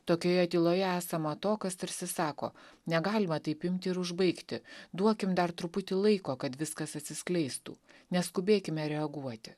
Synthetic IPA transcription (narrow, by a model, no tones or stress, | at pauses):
t̪oːkʲoːjɛt̪ʲiːlˠoːjɛæːsɐmɐt̪oːkɐst̪ɐɾʲsʲɪsɑːko̰ːnʲɛɡɑːlʲɪmɐt̪ɐɪpɪmʲt̪ʲɪɪɾʊʒbɐɪkt̪ʲɪd̪uɔkʲɪmd̪ɐɾt̪ɾʊpʊt̪ʲɪlˠɐɪkoːkɐt̪ʋʲɪskɐsɐt̪ʲsʲɪsklʲɛɪst̪ṵːnʲɛskʊbʲeːkʲɪmʲɛɾʲɛɐɡuɔt̪ʲɪ